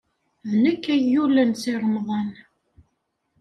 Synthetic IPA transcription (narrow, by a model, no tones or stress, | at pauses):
ðnækːæjːulənsiɾˤəmðˤɑn